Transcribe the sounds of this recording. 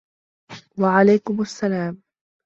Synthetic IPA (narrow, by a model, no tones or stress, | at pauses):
waʕalajkʊmasːalaːm